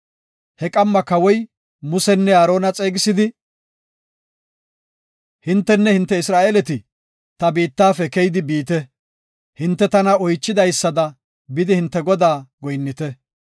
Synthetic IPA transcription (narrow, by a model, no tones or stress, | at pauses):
hɛkʼɐmːɐkɐwɔj | mʊsɛnːɛaːɾo̞ːnɐt͡sʼeːɡɪsɪd̪ɪ | hɪnt̪ːɛnːɛhɪnt̪ːɛɪsɾaːʔeːlɛt̪ɪ | t̪ɐbiːt̪ːaːfɛkɛjd̪ɪbiːt̪ɛ | hɪnt̪ːɛt̪ɐnɐɔjt͡ʃːɪd̪ɐjsːɐd̪ɐ | bɪd̪ɪhɪnt̪ːɛɡɔd̪aːɡɔjnːɪt̪ɛ